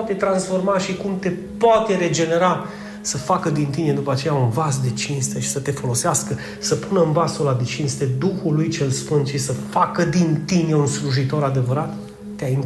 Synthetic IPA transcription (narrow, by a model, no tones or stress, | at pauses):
t̪et̪ɾansfo̞rmaʃikumt̪e̞ | poat̪e̞ɾe̞d͡ʒe̞ne̞ɾa | səfakəd̪int̪ine̞d̪upəat͡ʃe̞jaunvasd̪e̞t͡ʃinst̪e̞ʃi̥sət̪e̞fo̞lo̞seaskə | səpunəɨnvasolad̪et͡ʃinst̪e̞d̪uxulujt͡ʃe̞lsfɨnd̪ʃisəfakəd̪int̪ine̞unsluʒit̪o̞ɾad̪e̞vəɾat̪ː | eain